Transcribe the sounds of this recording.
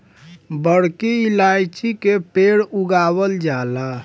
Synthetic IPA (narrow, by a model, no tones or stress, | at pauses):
bəɽkiilajt͡ʃʰikepeɽuɡaβəld͡ʒala